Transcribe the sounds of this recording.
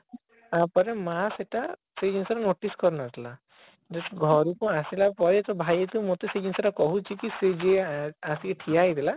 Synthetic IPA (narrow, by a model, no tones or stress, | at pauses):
apɔɾemaseʈa | sed͡ʒinsɔɾanoʈiskɔɾunat̪ʰila | d͡ʒeɡʱɔɾukũasilapɔɾet̪ɔbʱajet̪umot̪esed͡ʒinsɔɾakɔɦut͡ʃʰikised͡ʒeasikeʈʰijajd̪ela